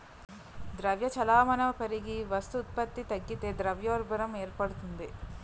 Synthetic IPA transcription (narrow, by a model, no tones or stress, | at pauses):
d̪ɾɐʋjɐt͡ʃɐlaːmɐnɐɐpɐɾiɡiʋɐst̪uːt̪̚pɐt̪ːit̪ɐɡːit̪ed̪ɾɐʋjoːɾbɐɾɐmeːɾpɐɽut̪und̪e